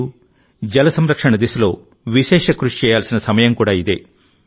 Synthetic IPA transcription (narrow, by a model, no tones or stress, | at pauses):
u | d͡ʒɐlɐsɐmɾɐkʂɐɳɐd̪isɐlo̞̰ː | ʋiʃeːʃɐkɾuʂt͡ʃɛːjaːlsinɐsɐmɐjɐmkuːɽaːid̪ḛː